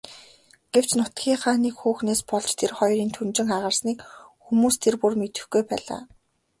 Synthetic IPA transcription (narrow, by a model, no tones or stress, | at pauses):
ɡ̥ew̥t͡ɕnʊt̪ɡʲiːŋχaːniːkxuːxneːspɔɮt͡ɕt̪ʰerχɔjɾiːnt̪ʰunt͡ɕɪ̆ŋaʁə̆rsniːkxumuːst̪ʰerpurmet̪ɘ̆xɡujpæ̰ːɮa̰ː